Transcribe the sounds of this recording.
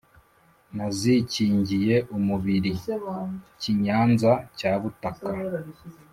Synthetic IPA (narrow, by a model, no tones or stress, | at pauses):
naziciːɲɟije̞ʔumuβiɾi | ciɲaːnzacaːβutaka